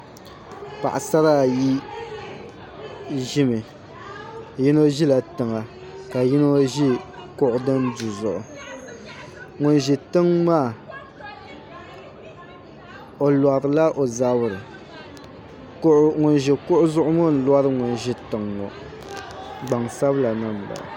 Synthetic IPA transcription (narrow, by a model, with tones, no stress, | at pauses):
pa̰˨ʔa˨sa˦ɾa˦˨ji˦ | ʒɪ˦mɨ˨ | ji˦no˦ʒi˦la˨tɨ˨ŋa˨ | ka˨ji˦no˦ʒi˦kʊ˦ʔʊ˦dɨ˦ndu˨zʊ˨ʔʊ˨ | ŋʊ˨nʒɛ˨tɨ˦ŋmaː˦˨ | o˨la˨ɾɨ˨la˦ʔo˨za˦bʊ˦˨ɾɨ˨˦ | ʔŋʊ˨nʒɛ˨kʊ˦ʔʊ˦zʊ˦ʔʊ˦mʊ˦n̩˨la˦ɾɨ˦ŋʊ˨nʒɪ˦tɨ˨ŋːo̰˨ | ɡ͡ba˨ŋsa˦bla˨nɨ˦m˨ba̰˨l̰